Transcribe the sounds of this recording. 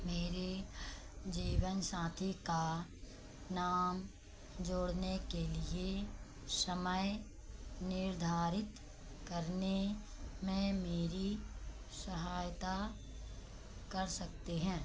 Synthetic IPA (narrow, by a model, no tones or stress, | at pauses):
meːɾe | d͡ʒiːʋənsaːt̪ʰika | naːm | d͡ʒoːɽnekelie | səməj | nɪɾd̪ʱaːɾɪt̪ | kɐɾnemẽmeːɾi | sɐɦaːjt̪a | kɐɾsɐk̚t̪eɦɛ̃ː